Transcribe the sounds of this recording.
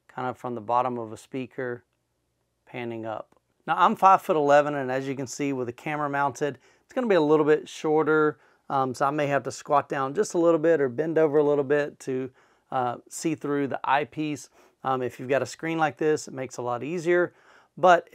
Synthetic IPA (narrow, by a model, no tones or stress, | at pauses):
kʰãɪ̃ndə̥fɹʌ̃mðəbɑɾə̃mʌvəspikʰə˞ | pʰæ̃nɪ̃ŋʌ̰p̚ | naʊãɪ̃ɱfaɪv̥fʊɾəlɛvə̃nɨ̃nɨzjɨkɨ̃nsiwəðɨkʰæmə˞əmãʊ̃ntʰɨd | ɨtsɡ̥ʌnəbiəlɪɾl̩ˠbɪtʃɔɹɾə˞ | ʌ̃msoʊaɪmeɪɦæftəskwɑt̚d̥ãʊ̃nd͡ʒʌstəlɪɾl̩ˠbɪɾə˞bɛ̃ndoʊvə˞əlɪɾl̩ˠbɪtʰɨ | ʌsiθɹʉðḭʔa̰ɪpʰis | ʌ̃mɨfjʉvɡɑɾɨskɹĩnlaɪk̚ðɪsɨt̚meɪksəlɔɾiziə˞ | b̥ʌt